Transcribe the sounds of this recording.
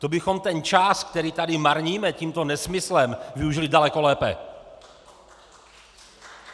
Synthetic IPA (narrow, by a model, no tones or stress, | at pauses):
t̪obɪxo̞mt̪ɛnt͡ʃaskt̪ɛɾiːt̪adɪmaɾɲiːmɛciːmt̪o̞nɛsmɪslɛmvɪuʒɪlɪdalɛko̞lɛːpɛ̰